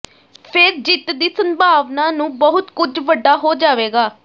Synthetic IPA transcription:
pʰɪɾd͡ʒɪt̪d̪iːsəmbʱaːʋnãːnũːbəɦʊt̪kʊd͡ʒʋəɖːaːɦoːd͡ʒaːʋeːɡaː

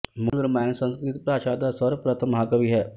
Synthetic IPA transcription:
mʊlɾmaːnsə̃nskɾɪt̪pɾaːʃaːd̪asəɾpɾət̪ʰəmɦaːkɐʋiɦɛː

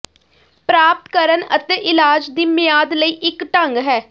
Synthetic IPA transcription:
pɾaːp̚t̪kəɾənə̰t̪ɛːʔɪlaːd͡ʒd̪iːmɪjaːd̪ləiːʔɪkʈə̃ŋɡɦɛː

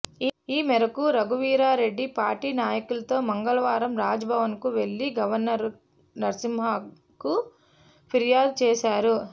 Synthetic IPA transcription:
iːmɛɾɐkuɾɐɡuʋiːɾaːɾe̞ɖːipaːɾʈiːnaːjɐkulɐt̪o̞ːmɐŋɡɐlɐʋaːɾɐmɾaːd͡ʒɐbʱɐʋɐnkuʋe̞ɭːiɡɐʋɐɾnɐɾ | nɐɾɐsimbʱa | ku | pʰiɾjaːd̪̚t͡ʃɛːsaːɾu

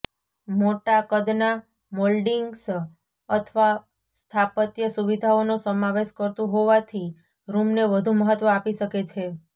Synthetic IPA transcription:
moʈakəd̪na | molɖiŋɡs | ət̪ʰʋa | st̪ʰapət̪jəsuʋid̪ʱaonosəmaʋeʃkəɾt̪õɦoʋat̪ʰi | ɾumneʋəd̪ʱũməɦət̪ʋəapiʃəket͡ʃʰe

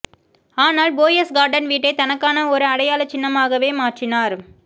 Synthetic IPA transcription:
aːnaːlboːjɐsɡaːɾɖɐnʋiːʈːɐɪt̪ɐnɐkːaːnɐɔɾɯɐɽɐjaːlɐt͡ʃːɪnːɐmaːɣɐʋeːmaːʈrɪnaːɾ

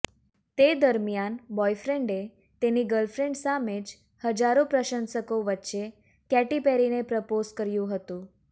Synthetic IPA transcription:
t̪ed̪əɾmjanbɔjfɾeɳɖe | t̪eniɡəlfɾeɳɖsamed͡ʒ | həd͡ʒaɾopɾəʃənsəkoʋətːʃe | kɛʈipeɾinepɾəpozkəɾjũɦət̪ũ

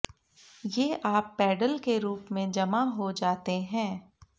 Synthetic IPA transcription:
jeːʔaːpːɛːɖəlkeɾuːpmẽd͡ʒɐmaɦod͡ʒaːt̪eɦɛ̃ː

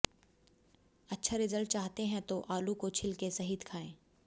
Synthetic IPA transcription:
ɐtːʃʰaɾɪzəlʈ̚t͡ʃaːɦt̪eɦɛ̃t̪oʔaːlukot͡ʃʰɪlkesɐɦid̪kʰaːẽː

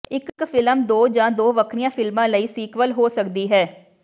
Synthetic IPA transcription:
ɪkfɪləmd̪oːd͡ʒãːd̪oːʋəkʰɽijãːfʰɪlmãːləiːsiːkʋəlɦoːsəkd̪iːɦɛː

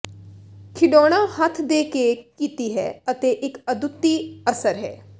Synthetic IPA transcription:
kʰɪɖɔːɽ̃ãːhət̪ʰd̪eːkekiːt̪iːɦɛ̰ːət̪eːʔɪkəd̪ʊt̪ːiːəsəɾɦɛ̰ː

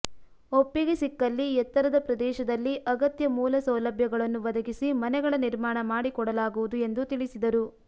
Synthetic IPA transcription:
opːiɡesikːɐlːiɛt̪ːɐɾɐd̪ɐpɾɐd̪ɛːʃɐd̪ɐlːiʔɐɡɐt̪jɐmuːlɐsɐwlɐbʱjɐɡɐɭɐnːuʋɐd̪ɐɡisimɐnɛɡɐɭɐniɾmaːɳɐmaːɽikɔɽɐlaːɡuʋud̪ue̞nd̪ut̪iɭisid̪ɐɾu

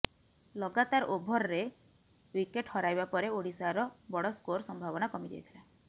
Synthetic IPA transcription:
lɔɡat̪aɾobʱɔɾɔɾe | wikeʈhɔɾajbapɔɾeoɽisaɾɔbɔɽɔskoɾsɔmbʱabɔnakɔmid͡ʒḛjt̪ʰila

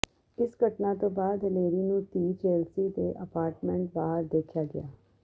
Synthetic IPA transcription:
ɪsɡʱəʈnat̪õːbaːd̪leːɾiːnũːt̪iːt͡ʃeːlsiːd̪eʔəpaːɾʈmɛ̃ɳʈbaːɦəɾd̪eːkʰjaːɡɪjaː

